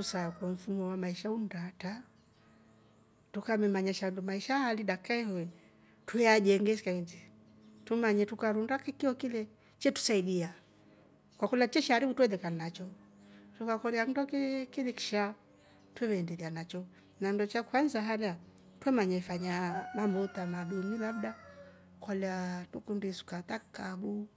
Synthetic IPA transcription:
tusakwɔm̩fumɔwamaiʃaundata | tukamɛmaɲaʃandumaiʃaaliɗakaɛhɔn | tuɛad͡ʒɛŋɡɛskaind͡ʒi | tumaɲɛtukaɾundakikiɔkilɛ | t͡ʃɛtu̥saiɗia | kwakulat͡ʃɛʃɛaɾiɓutuwɛðɛkannat͡ʃɔ | tukakɔliaŋdɔkkiðɛki̥ʃa | twɛwɛːndɛlianat͡ʃɔ | nandɔt͡ʃakuhanzaɦalɛa | twɛmaɲaifaɲanambɔtanaɗimilabda | kwalɛatukundisu̥kat̪akabu

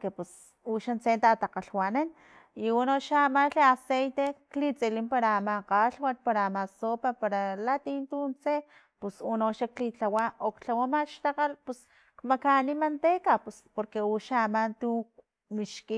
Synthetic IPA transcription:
kepus | uʃant͡sent̪at̪aqaɬwanan | iunoʃaːmanɬeasejt̪eklit͡selimpaɾaːmaqaɬwat̪̚paɾaːmasopapaɾalat̪int̪unt͡se | pusunoʃaklit͡ɬawaʔokt͡ɬawamaʃt̪aqalpus | kmakanimant̪ekapuspoɾkeuʃaamant̪u | miʃki

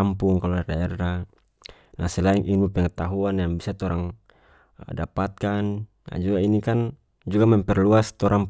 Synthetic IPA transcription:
ampuŋkalɔlardaɛrːa | nasɛlaiŋʔinbupɛŋɛt̪aɦuanjaŋbisat̪ɔɾaŋ | dapat̪̚kanː | a̰d͡ʒuɡainikan | d͡ʒuɡamɛmpɛrluast̪ɔɾʔaŋ

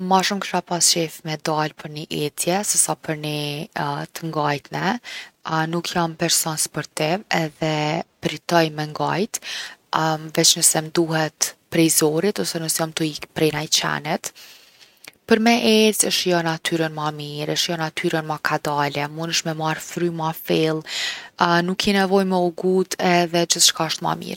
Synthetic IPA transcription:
maʃumkʃapast͡ʃɛfmɛd̪alpʰəɾniʔɛt̪ʰjɛsɛsapʰəɾni | t̪əŋɡajt̪nɛ | nukʰjampɛɾsɔnspɔɾt̪ɪvɛðɛpɾit̪ɔjmɛŋɡajt̪ | vɛt͡ʃnəsɛmd̪uhɛt̪pɾɛjzɔɾit̪ɔsɛnəsjamt̪uikpɾɛnajt͡ʃɛ̰nit̪ | pəɾmɛʔɛt͡səʃjɔnat̪ʰyɾənmamiɾəʃjɔnat̪ʰyɾənmakʰad̪alɛmunəʃmɛmaɾfɾymafɛlˠ | nukʰːinɛvɔjmɛɔɡud̪ʰɛðɛd͡ʒiθʃkaʃt̪ma̰mḭɾ

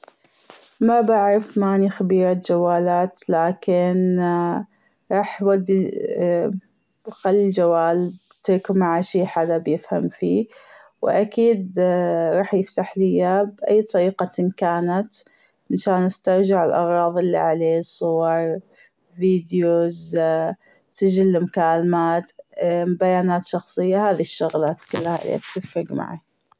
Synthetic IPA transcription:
mabaʕɾɑfmaːnixabiːɾat̪d͡ʒawːaːlaːt̪laːkɪn | ɾˤɑːħjwad̪ːi | xalːild͡ʒawːaːlb | t̪ɪɾkmaʕaʃiːħad̪abjɪfha̰mfiː | wɪ̰ʔakiːd̪ɾˤɑːħjɪft̪aħlijabʔajːt̪ˤɑɾiːqɑnkaːnat̪ | ɪnʃaːnʔast̪ɑɾˤd͡ʒɪʕɪlʔɑɣɾˤɑːðˤɪlːḭʕaleːsˤʊwɑɾˤ | viːd̪joz | sɪd͡ʒɪlːɪmʊkaːlmaːt̪mbajaːnaːt̪ʃɑxsˤɨjːahaːðiʃːʊɣlaːt̪kʊlːahaʔlḛt̪ɪfɾɪɡma̰ʕa̰

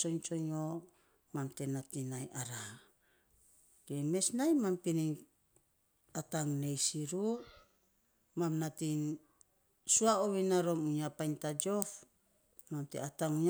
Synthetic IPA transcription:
t͡ʃo̞ɲt͡ʃo̞ɲo | mamte̞natinajaɾa | keme̞snajmampiniŋ | ataŋne̞jsiɾu | mamnatin | suaoβinaɾo̞muɲapajntad͡ʒo̞f | mamtḛataŋuɲ

